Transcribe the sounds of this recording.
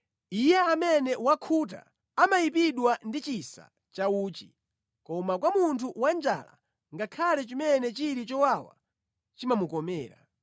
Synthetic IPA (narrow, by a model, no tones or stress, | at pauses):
ijɛamɛnɛwakʰut̬a̰ | amajipiɗwandit͡ʃisa̰ | t͡ʃauːt͡ʃḭ | kɔmakwamuntʰuwand͡ʒa̰la̰ | ŋɡakʰalɛt͡ʃimɛnɛt͡ʃiɾit͡ʃɔwawa̰ | t͡ʃimamukɔmɛːɾa̰